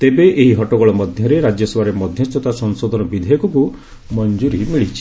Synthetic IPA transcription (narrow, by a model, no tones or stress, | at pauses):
t̪ebeʔeɦiɦɔʈɔkɔɭɔmɔd̪ʱjɔɾeɾad͡ʒjɔsɔwaɾemɔd̪ʱjɔst̪ʰɔt̪asɔŋsod̪ʱɔnɔbid̪ʱɔjɔkuku | mɔnd͡ʒuɾimiɭit͡ʃʰi̥